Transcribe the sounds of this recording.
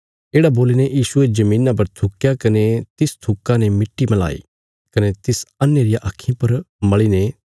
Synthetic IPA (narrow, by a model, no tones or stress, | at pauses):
eːɽaboːlinejiːsʊed͡ʒɐmĩːnap̬ɐɾt̪ʰʊkːjakɐnet̪ɪst̪ʰʊkːãnemɪʈːimɐla̰ːḭ | kɐnet̪ɪsɐnːeɾɪjaʔɐkʰːĩpɐɾmɐɭine